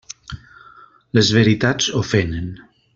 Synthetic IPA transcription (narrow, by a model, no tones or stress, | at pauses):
ləzβeɾit̪ad͡zofenen